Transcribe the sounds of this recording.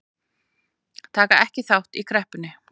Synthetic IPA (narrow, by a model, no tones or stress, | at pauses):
t̪ʰaːkaɛhcɪθawht̪ikʰɾɛhpʏnːɪ